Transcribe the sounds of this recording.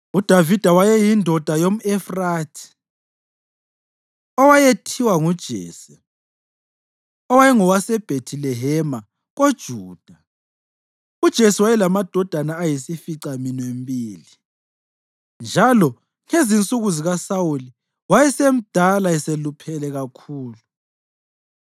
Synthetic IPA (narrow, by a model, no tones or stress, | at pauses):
ud̥ʱavid̥ʱawajɛjindʱɔd̥ʱajom̩ɛfraːtʰi̥ | ɔwajetʰiwaŋud̥ʒ̥ʱḛːsi̥ | ɔwajɛŋɔwasɛb̥ʱetʰilɛɦɛma | ɣod̥ʒ̥ʱuːd̥ʱa | ud̥ʒ̥ʱesiwajɛlamad̥ʱɔd̥ʱanaːjisifiǀaminwembʼiːli | nd͡ʒʱalɔ | ŋezint͡sʼuɣuziɣasawuli | wajɛsem̩d̥ʱalaɛselupʰɛlɛɣakʰuːlu